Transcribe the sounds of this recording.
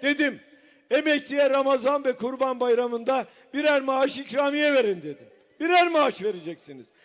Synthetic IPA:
d̪̥e̞d̪im | emɛct̪ʰijɛɾamazanvɛkʰuɾbanbajɾamɯnd̪a | biɾæɾmaaʃicɾaːmijɛve̞ɾind̪e̞d̪im | biɾæɾmaaʃve̞ɾed͡ʒɛcsinḭz̥

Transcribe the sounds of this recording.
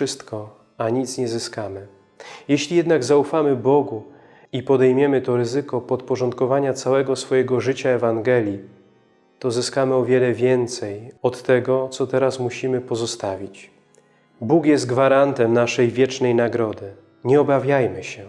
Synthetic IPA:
ʂɘst̪kɔ | aɲit̪sɲɛzɘskamɘ | jɛɕlʲijɛd̪naɡzaufamɘbɔɡu | ipɔd̪ɛjmʲjɛmɘt̪ɔɾɘzɘkɔpɔt̪pɔʐɔnt̪̚kɔvaɲat̪sawɛɡɔsfɔjɛɡɔʐɘt͡ɕaɛvaŋɡɛlʲji | t̪ɔzɘskamɘɔvʲjɛlɛvʲjɛnt̪sɛjɔt̪ːɛɡɔt̪sɔt̪ɛɾasmuɕimɘpɔzɔst̪avʲit͡ɕ | bukjɛst̪ɡvaɾant̪ɛmnaʂɛjvʲjɛt͡ʂnɛjnaɡɾɔd̪ɘ | ɲɛɔbavʲjajmɘɕɛ

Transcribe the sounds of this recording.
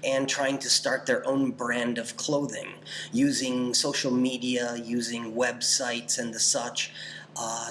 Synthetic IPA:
ɨ̃ntʰɹ̥aɪɪ̃ŋtʰɨstɑɹt̪̚ðə˞ʔõʊ̃nbɹæ̃ndʌv̥kʰl̥oʊðɪ̰̃ŋ | jʉzɪ̃ŋsoʊʃl̩ˠmiɾiɨjʉzɪ̃ŋwɛbsaɪtsɨ̃nðɨsʌt͡ʃ

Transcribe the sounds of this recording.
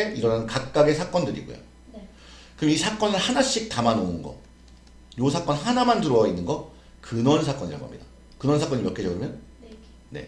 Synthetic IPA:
eiɾʌnanɯnkak̚k͈aɡe̞sʰak͈ʌndɯɾḭɡo̰jo̰ | kɯɾʌmisʰak͈ʌnɯɭhanaɕ͈ik̚tamanounɡʌ̰ | josʰak͈ʌnɦanamandɯɾowinːɯnɡʌ | kɯnʌnsʰak͈ʌɲiɾaɡṵɦa̰mɲida | kɯnʌnsʰak͈ʌɲimjʌk͈ed͡ʑʌɡɯmjʌn | ne̞̰

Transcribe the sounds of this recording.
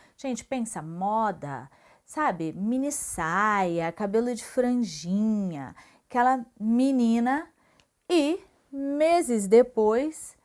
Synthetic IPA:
ʒ̥ẽnt͡ʃɪ̥pẽsɐmɔd̪ɐ̰ | sabɪmĩnisajɐkabelʊd͡ʒɪfɾɐ̃ʒĩɲɐ̰ | kɛlɐminĩnɐ | ɪ | mezɪzd̪epojs

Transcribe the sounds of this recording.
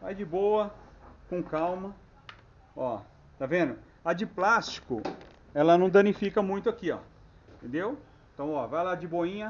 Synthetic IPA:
va̰jd͡ʒɪboɐkõkawmɐ | ɔ | t̪avẽnd̪ʊ | ɐd͡ʒɪplast͡ʃi̥kʊ̰ | ɛlɐnɐ̃w̃d̪ɐ̃nifikɐmũj̃t̪ʊakiɔ̰̃ | t̪ẽnd̪ew | ẽt̪ɐ̃w̃ɔvajlad͡ʒɪboĩɲɐ

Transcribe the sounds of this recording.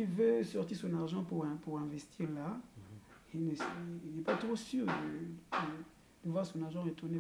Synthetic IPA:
ilvøsɔʁt̪iʁsɔ̃naʁʒɑ̃puʁɛ̃puʁɛ̃vɛst̪ʰiʁla | inəsɛinɛpat̪χosyʁd̪əd̪ə | d̪̥əvwaʁsɔ̃naʁʒɑ̃ʁet̪uʁne

